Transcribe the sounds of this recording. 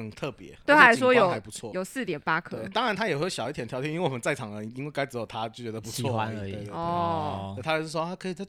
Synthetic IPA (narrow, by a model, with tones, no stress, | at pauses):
ə˨˩nt̪ʰɤ˥˩pjɛ̰˧˦we˥˩˥a˥˩ʂwɔ˥jo˨˦ʊa˧˩pu˧˦t͡sʰwɔ˥˨jo˨˩ʊsɹ̩˥˩t̪jɛ˨˩npa˥k̪ʰɤ˥e˧˥˩t̪ɑ˦ŋɻa˧˦nt̪ʰa˥jɛ˨˩xwe˥˩˧ɕjɑ˨˩ʊi˥t̪ʰjɛ˧˥nʰjɑ˥ʊi˥˦i˥we˥˩wɔ˨˩mə˦nt͡sa˥˩ɪʈ͡ʂʰɑ˨˩ŋə˧˦i˦ŋwe˥˩ɪka˥ɪt͡s̩˧˥jo˥˩ʊt̪ʰa˦˥t͡ɕjo˥˩t͡ɕɥɛ˧˦d̪ə˨˧pu˧˥t͡sʰwɔ˧˥˨a˦˧˥ɔ˥˩˥t̪ʰa˥˧˩ɔ˥kʰɤ˧˥i˨˩t͡sa˥˩